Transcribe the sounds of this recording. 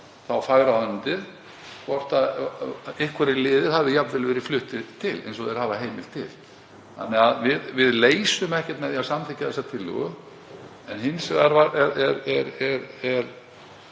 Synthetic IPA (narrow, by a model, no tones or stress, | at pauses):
θawfaːɣɾaœnt̪ɪð | kʰvɔr̥t̪að | ɪhkʰvɛɾɪlɪːðɪɾ̥havvɪjapnvɛlvɛːɾɪ̥flʏht̪ɪt̪ʰɪlḛjnsɔɛɾ̥haːvaɦeːjmɪl̥t̪ʰɪ̰l̥ | θa̰nːɛaðvɪðvɪðleːjsʏmɛhcɛ̥t̪mɛðiasamt̪ɛcaðθɛsːat̪ʰɪlːʏ̰ɣʏ | ɛnhɪnsɛɣaɾvaɾɛɾɛɾɛɾɛɾɛɾ